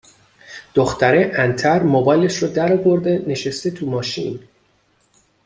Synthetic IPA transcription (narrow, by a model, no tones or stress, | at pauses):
d̪̥oxt̪ʰæɾeʔænt̪ʰæɾmobɒːjleʃrɔd̪æɾɒːvo̞ɾd̪e̞ne̞ʃest̪et̪ʰumɒːʃḭn